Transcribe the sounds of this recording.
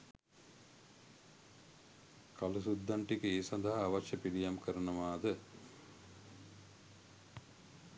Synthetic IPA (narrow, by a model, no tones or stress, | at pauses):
kalusud̪ːaɳʈikəeːsɐnd̪aɦɐːʋɐt͡ʃːɐpiɽijamkəɾɐnɐʋaːd̪ə